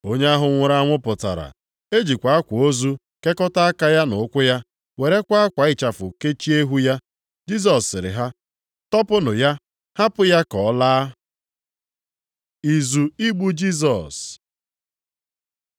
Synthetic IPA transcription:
o˦ɲe˦a˦ɦʊ˨ŋʷʊ˨ɾa˦ŋʷʊ˦pʊ˨ta̰˨ɾa̰˨ | e˦d͡ʒi˨kʷa˨a˦kʷo˦zu˦ | ke˦kɔ˦ta˦a˦ka˦ja˦nʊ˨˦kʷʊ˦ja˦ | we˨ɾe˦kʷa˦a˦kʷa˨ɪ˦t͡ʃa˨fʊ˨ke˦t͡ʃi˦e˦ɦu˦ja˦ | d͡ʒi˦s̬ɔ˨sɪ˨ɾɪ̰˨ɦa˦ | tɔ˦pʊ˦nʊ˨ja˦ | ha˦pʊ˦ja˦kɔ˨˦laː˦ | i˨zu˨i˦ɡ͡bu˦d͡ʒi˦s̬ɔ˨s

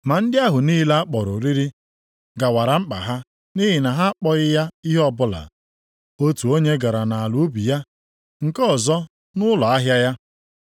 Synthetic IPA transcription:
ma˨n̩˦dɪ˦a˦ɦʊ˨niː˦la˦a˦k͡pɔ˨ɾʊ˨ɾi˦ɾi˦ | ɡa˨wa˨ɾa˨m̩˦k͡pa̰˨ɦa˦ | ni˦ɦɪ˨na˨ɦa˦k͡pɔ˦ɣɪ˦ja˦i˦ɦɔ˦bʊ˦la̰˨ | o˦tu˨o˦ɲe˦ɡa˨ɾa˨na˨a˨lu˨˦bi˨ja˦ | ŋ̩˨kɔ˦˨zɔ˦ | nʊ˦lɔ˨a˦ɦja˦ja˦

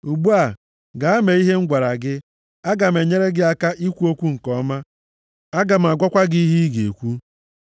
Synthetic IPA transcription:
u˨ɡ͡bu˦a˨ | ɡa˨a˦me˨i˦ɦe˦ŋ̩˦ɡʷa˨ɾa˨ɡɪ˦ | a˦ɡa˨m̩˨e˨ɲe˦ɾe˦ɡɪ˦a˦ka˦ʔi˦kʷu˦o˦kʷu˦ŋ̩˨kɔ˦ma˦ | a˦ɡa˨m̩˨a˨ɡʷa˦kʷa˦ɡi˦i˦ɦi˦ɡe˨e˨kʷu˦

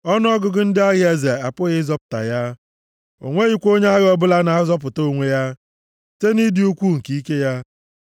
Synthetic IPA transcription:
ɔ˦n˦ɔ˦ɡʊ˨ɡʊ˨n̩˦dɪ˦a˦ɣɪ˦e˦ze˨a˨pʊ˦ɣɪ˦zɔ˦pʊ̥˨ta̰˨ja˦ | o̰˨ŋʷe˦ɣi˦kʷo˦ɲe˦a˦ɣɔ˦bʊ˦la˦na˨a˦zɔ˦p̬ʊ˨to˦˨ŋʷe˦ja˦ | te˦ni˦dɪ˨u˦kʷu˦ŋ̩˨ki˨˦i˦ke˦ja˦

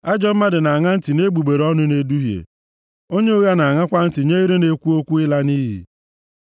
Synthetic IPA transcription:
a˦d͡ʒɔ˦m̩˦ma˦dɪ˨na˨a˨ŋa˦n̩˦tɪ˨ne˦ɡ͡bu˨ɡ͡be˨ɾɔ˦nʊ˦ne˦du˦ɦjḛ˨ | o˦ɲe˦o˦ɣa˦na˨a˨ŋa˦kʷa˦n̩˦tɪ˨ɲe˦i˦ɾe˦ne˦kʷu˦o˦kʷu˦ɪ˦la˦ni˦ɦḭ˨

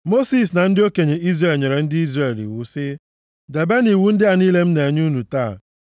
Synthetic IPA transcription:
mo˦si˨s̬na˨n̩˦dɪ˦o˦ke˨ɲe˨ʔi˦zre˨lɲe˨ɾe˨n̩˦dɪ˦i˦zɾe˨lḭ˨wʊ˨sɪ˦ | de˨be˦ni˨wu˦n̩˦dɪ˦a˨niː˦le˦m̩˦ne˨ɲ˦u˦nu˨taː˦˨

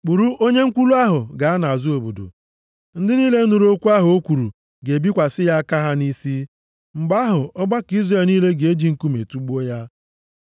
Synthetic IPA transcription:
k͡pu˨ɾu˦ʔo˦ɲe˦ŋ̩˦kʷu˦lu˦a˦ɦʊ˨ɡa˨˦a˦na˨a˨zu˦o˨bo̰˨do̰˨ | n̩˦dɪ˦niː˦le˦nu˨ɾu˦o˦kʷu˦a˦ɦʊ˨o˦kʷu˨ɾṵ˨ | ɡe˨bi˦kʷa˨sɪ˦ja˦ka˦ɦa˦ni˦si˦ | ŋ͡m̩˨ɡ͡ba˦ɦʊ˨ɔ˦ɡ͡ba˦ki˦zre˨lniː˦le˦ɡe˨e˦d͡ʒi˨ŋ̩˨ku˦me˨tu˦ɡ͡bu˦o˦ja˦

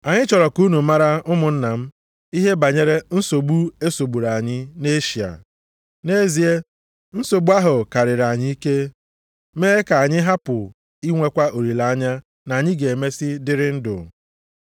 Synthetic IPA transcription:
a˨ɲɪ˦t͡ʃɔ˨ɾɔ˨ku˦nu˨˦ma˦ɾa˦ʊ˦mʊ˨n̩˦na˨m̩˦ | i˦ɦe˦ba˨ɲe˦ɾe˦n̩˦so˨bu˦e˦so˨bu˨ɾa˨ɲɪ˦ne˦ʃi˨a̰˨ | ne˦zi˨e˦ | n̩˦so˨bu˦a˦ɦʊ˨ka˨ɾɪ˨ɾa˨ɲɪ˦i˦ke˦ | meː˦e˦ka˨a˨ɲɪ˦ɦa˦pʊ˨ | i˦ŋʷe˦kʷa˦o˨ɾi˨la˨˦a˦ɲa˦ | na˨a˨ɲɪ˦ɡe˨me˦sɪ˦dɪ˦ɾɪ˦n̩˦dʊ̰˨

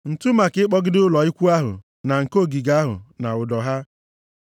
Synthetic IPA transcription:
n̩˨tʊ˦ma˨kɪ˦ɪ˦k͡pɔ˦ɡɪ˦dʊ˦lɔ˨ɪ˦kʷu˦a˦ɦʊ̰˨ | na˨ŋ̩˨ko˦˨ɡi˨ɡa˦ɦʊ̰˨na˨ʊ˨dɔ˨ɦa˦

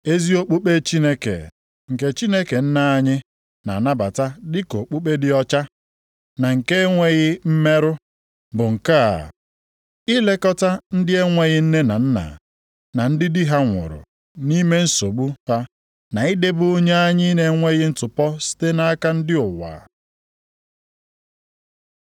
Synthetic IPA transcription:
e˦zi˦o˦k͡pu˦k͡pe˦t͡ʃi˦ne˦kḛ˨ | ŋ̩˨ke˦t͡ʃi˦ne˦ke˨n̩˦na˨a˦ɲɪ˦ | na̰˨na˦ba˨ta˦dɪ˦ko˨k͡pu˦k͡pe˦dɪ˦ɔ˦t͡ʃa˦ | na˨ŋ̩˨ke˦ŋʷe˦ɣɪ˦m̩˦me˦ɾʊ˦ | bʊ˨ŋ̩˨ka˦a̰˨ | ɪ˦le˦kɔ˦ta˦n̩˦dɪ˦e˦ŋʷe˦ɣɪ˦n̩˦ne˦na˨n̩˦na̰˨ | na˨n̩˦dɪ˦dɪ˦ɦa˦ŋʷʊ̰˨ɾʊ̰˨ | ni˦me˦n̩˦so˨ɡ͡bu˦ha˦ | na˨i˦de˦bʊ˦o˦ɲe˦a˦ɲɪ˦ne˦ŋʷe˦ɣɪ˦n̩˦tʊ˨pɔ˦si̥˦te˦na˦a˦ka˦n̩˦dɪ˦ʊ˨wa̰ː˨

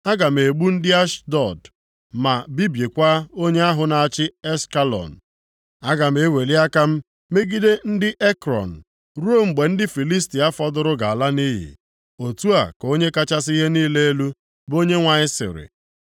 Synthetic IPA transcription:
a˦ɡa˨m̩˨e˨ɡ͡bu˦n̩˦dɪ˦a˦ʃdɔ˨d | ma˨bi˦bje˨kʷa˦o˦ɲe˦a˦ɦʊ˨na˨a˨t͡ʃɪ˦e˦ska˦lɔ̰˨n̩˨ | a˦ɡa˨m̩˨˦e˦we˨li˦a˦ka˦m̩˦ | me˦ɡi˦de˦n̩˦dɪ˦ʔe˦kɾɔ̰˨n̩˨ | ɾo˦m̩˨ɡ͡be˨n̩˦dɪ˦fi˨li˦s̬ti˨a˦fɔ˦dʊ˦ɾʊ˦ɡa˨a˨la˦ni˦ɦḭ˨ | o˨tu˦a̰˨ko˦ɲe˦ka˦t͡ʃa˦s̬i˦ɦe˦niː˦le˦e˦lu˦ | bo˦ɲe˦ŋʷa˨ɲɪ˦sɪ̰˨ɾɪ̰˨

